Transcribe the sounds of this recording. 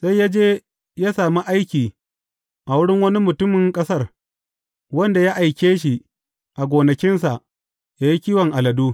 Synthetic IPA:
sa˦jːa˦d͡ʒeː˦ | jaː˦saː˨mi˦ʔa˦jkʲiː˨ | ʔa˨wʊ˦ɽɪ˦ŋwɐ˦ni˦mʊ˨tʊ˦mɪ˨ŋkʼɐ˦sɐ˦r | wɐ˦nda˨ja˦ʔa˨jkʲeː˦ʃi˨ | ʔa˨ɡʷoː˨nɐ˨kʲɪ˦nsa˨ʔ | jaː˦ji˦kʲiː˦wɐ˨ŋʔa˨lɐ˨duː˦

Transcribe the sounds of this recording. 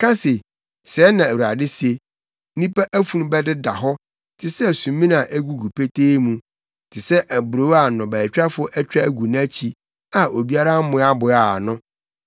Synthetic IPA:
kʰã˦se˨ | sɛː˨˦nã˨æ˨wu˨ɾa˨dɪ˦se˦ | nĩ˦pa˦ʔæ˦fu˨ñ˦bɛ˦dɪ˦da˨ɦɔ˦ | tʰɪ˨sɛ˦˨sũ˨˦mĩ˦na˨ʔæ˦ɡu˨ɡu˨pʰe˦tʰeː˦mũ˨ | tʰɪ˨sɛ˦ʔæ˨bɾo˦a˨nʊ̃˨bæ˨t͡ɕᶣɾa˦fʊ˦ʔɛ˦t͡ɕᶣɾa˦˨ɡu˨ñ˦æ˦t͡ɕʰi˨ | a˨ʔo˨bi˦a˦ɾa˦mʊ̃˦a˦bʊ˨a˦˨nʊ̃˦

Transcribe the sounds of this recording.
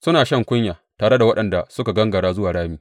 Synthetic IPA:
sʊ˦naː˨ʃɐ˦˨ŋkʷʊ˦ɲjaː˨taː˨ɽe˦da˨wɐ˦ɗɐ˨nda˨sʊ˦ka˨ɡɐ˦ŋɡɐ˨ɽaː˦zʊ˦waː˨ɽaː˦miː˦

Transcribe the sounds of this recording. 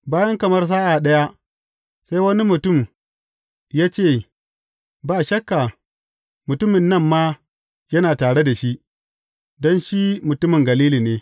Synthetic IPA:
baː˦jɐ˦ŋkɐ˨mɐ˦rs̬aː˦ʔa˨ɗɐ˦ja˦ | sa˦jwɐ˦ni˦mʊ˨tʊ˦˨m | jaː˦t͡ʃeː˦˨ | baː˦ʃɐ˦kːa˨ | mʊ˨tʊ˦mɪ˨nːɐ˦mːaː˦ | jɐ˦naː˨taː˨ɽe˦da˨ʃi˦ʔ | dɔ˦nʃi˦mʊ˨tʊ˦mɪ˨ŋɡɐ˨liː˦liː˨neː˨˦

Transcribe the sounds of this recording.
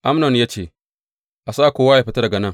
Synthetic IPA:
ʔa˦mnɔ˨njaː˦t͡ʃeː˦˨ | ʔa˨saː˦˨kʷoː˦wa˦ja˨ɸi˦tɐ˦dɐ˨ɡɐ˨nɐ˦ŋ

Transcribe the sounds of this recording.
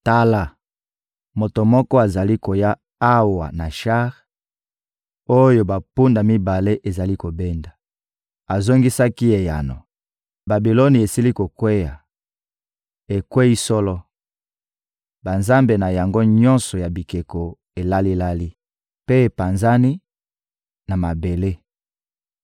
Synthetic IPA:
ta˦la˦ | mo˨to˨mɔ˦kɔ˦a˨za˨li˦ko˨ja˦ | a˦wa̰˨na˨ʃa˦ʁ | o˦jo˨ba˨pu˦nda˨mi˦ba˨le˦ʔe˨za˨li˦ko˨be˦nda˨ | a˨zo˦ŋɡi˦sa˦ki˦e˨ja̰˨nɔ̰˨ | ba˨bi˨lo˦ni˨e˨si˦li˦ko˨kwe˦ja˨ | e˨kwe˦i˦sɔ˦lɔ˦ | ba˨nza˦mbe˨na˨ja˨ŋɡo˦ɲɔ˦nsɔ˨ja˨bi˨ke˨ko˨ | e˨la˦li˦la˦li˦ | pe˦˨pa˨nza˦ni˦ | na˨ma˨be˨le˦

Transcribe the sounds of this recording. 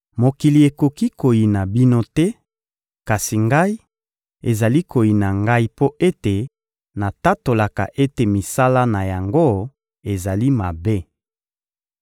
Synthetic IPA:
mo˨ki˨li˨e˨ko˨ki˦ko˨ji˨na˨bi˦no˦tɛ˦ | ka˨si˨ŋɡa˦i˦ | e˨za˨li˦ko˨ji˨na˨ŋɡa˦i˦po˦ʔe˦te˨ | na˨ta˦to˨la˨ka˨ʔe˦te˨mi˨sa˦la˦na˨ja˨ŋɡo˦ | e˨za˨li˦ma˨be˦

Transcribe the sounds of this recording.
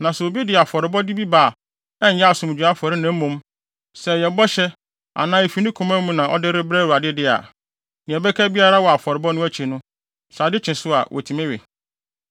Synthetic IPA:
nã˨sʊ˨o˨bi˦dɪ˨a˨fɔ˨ɾɪ˨bɔ˦di˦bi˦baː˨ | ɛ̃˦ɲ˦jɛ˦a˨sʊ̃˨m˨d͡ʑᶣu˨a˦fɔ˨ɾɪ˦nã˨˦m̩˦mũ˦m | sɛ˨jɛ˨bɔ˦ɕɛ˦ | a̰˨nãː˦e˨fi˨nɪ̃˦kʰɔ̃˨mæ̃˦mũ˦nã˨ʔɔ̰˦dɪ˦ɾɪ˦bɾæ˦˨u˨ɾa˨dɪ˦dɪ˦a̰˨ | nɪ̃˨ɛ˨bɛ˦kʰæ˦bi˦a˦ɾa˦wɔ˨a˨fɔ˨ɾɪ˨bɔ˦nʊ̃˦æ˦t͡ɕʰe˨nʊ̃˦ | sa˨dɪ˦t͡ɕʰɪ̃˨sʊ˦a̰˨wʔɔ̰˨tʰi˨mɛ̃˦ɥɛ̰˨

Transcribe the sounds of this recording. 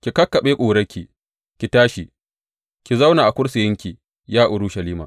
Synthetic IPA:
kʲi˨kɐ˦kːɐ˨ɓeː˦kʷʼuː˨ɾɐ˦kʲi˨ | kʲi˨taː˦ʃi˨ | kʲi˨za˦wnaː˨ʔa˨kʷʊ˦ɽsɪ˨jɪ˦ŋkʲi˨ | jaː˦ʔʊ˨ɾʊ˦ʃɐ˨liː˦ma̰ː˨

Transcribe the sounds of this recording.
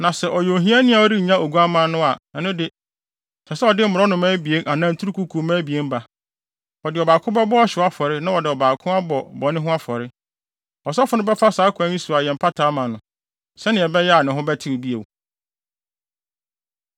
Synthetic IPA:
nã˨sɛ˨ʔɔ˨jo˨ɦĩ˦a˦nɪ̃˦a˨ɔ˦ɾi˦˨ɲã˦ʔo˨ɡu˦a˦mã˨˦nʊ̃˦a˨ɛ˨nʊ̃˦dɪ˨ | sʰɛ˨sɛ˦ɔ˨dɪ˦m̩˨ʊ˨ɾɔ˦nʊ̃˨mã˦bi˨e˦nʔa˨nãː˦n̩˨tʰu˦ɾu˦kʰu˦kʰu˨˦mãː˦bi˨e˦m̩˦ba˨ | ɔ˨dɪ˨ɔ˨baː˨kʰʊ̃˦bɛ˦bɔ˦a˦ɕɪ˨˦a˦fɔ˨ɾɪ˦nã˦wɔ˨dɪ˨ɔ˨baː˨kʰʊ̃˦a˦bɔ˨bɔ˨nɪ̃˦ɦʊ̃˦a˦fɔ˨ɾɪ˦ | ɔ˨s̬ɔ˦fʊ˨nʊ̃˦bɛ˦fa˦saː˨˦kʰã˦ĩ˦su˨a˨jɛ̃˨m̩˨pʰa˦tʰaː˨˦mã˨nʊ̃˨ | sɛ˦nɪ̃˨ɛ˨bɛ˦jɛ˦a˨nɪ̃˨ɦʊ̃˦bɛ˦tʰɪ˦o˨bi˦e˨w

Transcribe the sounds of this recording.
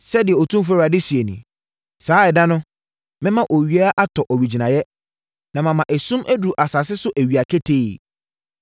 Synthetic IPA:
sɛ˦dɪ˨ɛ˨ɔ˨tʰũ˦mf̬a˦ɾa˨dɪ˦si˨e˨nḭ̃˨ | saː˦ɛ˨dã˦nʊ̃˦ | mɪ̃˦mã˦ʔo˨ɥi˨a˦ʔa˦tʰɔ˨ʔɔ˨ɥi˨d͡ʑi˨nã˨jɛ˦ | nã˨mã˨mã˨ʔæ˨sũ˦mʔæ˦du˨ʔa˨sa˨s̬ɪ˦sʊ˦ʔæ˨ɥi˨a˨kʰe˦tʰe˦˨

